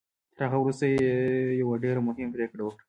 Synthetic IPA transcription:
t̪əɾaɣawɾust̪ajejawaɖeɾamʊɦɪmpɾekɽawəkɽa

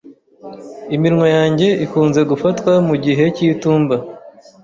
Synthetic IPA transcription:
imiɾŋojaːɲɟe̞ʔikuːnze̞ɡufatwamuɟiɦe̞ciːtuːmba

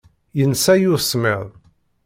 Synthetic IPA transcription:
jənsæjʊsmɪðˤ

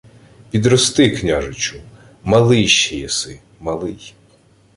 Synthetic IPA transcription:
pʲid̪ɾɔst̪ɪknʲaʒɪt͡ʃʊ | mɐlˠɪjʃijɛsɪ | mɐlˠɪj

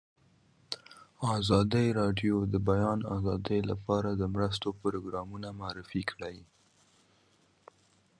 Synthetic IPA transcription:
ɑzɑd̪əjɾɑɖjod̪əbajɑna̰zɑd̪əjla̰pɑɾad̪əmɾəs̬t̪opɾoɡɾɑmunamaaɾɪfikʰɽaj

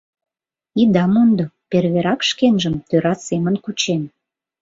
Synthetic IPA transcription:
id̪ɑmond̪operβeɾɑkʃkenʒəmt̪øɾɑsemənkut͡ɕen

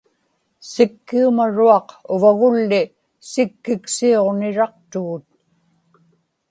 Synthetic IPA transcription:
sɪkːiumaɻuɑqʊvaɣʊlːɪ | sɪkːɪksio̞ʁnɪɻɑq̚t̪uːt̪̚

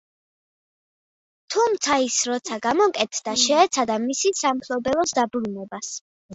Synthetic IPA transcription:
t̪ʰumt̪sʰaisɾɔt̪sʰaɡamɔkʼɛt̪ʰd̪aʃɛːt̪sʰad̪amisisamkʰlɔbɛlˠɔsd̪abɾunɛbas

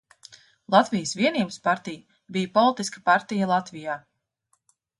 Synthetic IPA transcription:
lˠat̪vijəsviɛnʲiːbəspaɾt̪ij | bijpɔlˠit̪iskə̥paɾt̪ijɐlˠat̪vijaː

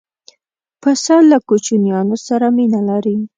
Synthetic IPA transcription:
pəsɑlakut͡ʃunjɑnosaɾaminalaɾi

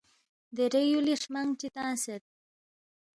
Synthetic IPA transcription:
d̪eɾejuliʂmaŋt͡ʃit̪ãːnset̪̚

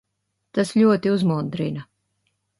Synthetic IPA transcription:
t̪aslʲuɔt̪iuzmund̪ɾina

